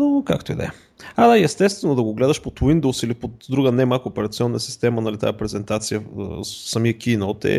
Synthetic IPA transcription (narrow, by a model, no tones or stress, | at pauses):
oka̰kt̪oid̪ɛ̰ | ad̪aiɛst̪ɛst̪vɛnod̪ɐɡoɡlɛd̪əʃpot̪wind̪owsilipot̪d̪ɾuɡənɛmakʊːpɛɾɐt̪siɔnːəsi̥st̪ɛmənɐlit̪a̰pɾɛzɛnt̪at̪sijəə̰sɐmiəkʲinot̪ɛ̰